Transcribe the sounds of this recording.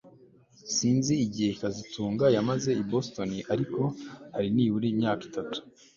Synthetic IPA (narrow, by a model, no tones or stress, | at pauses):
siːnziːɟiheikazitʰuːŋɡajamaze̞ibo̞sto̞niʔaɾiko̞haɾiniːβuɾiːmɲaːki̥tatu̥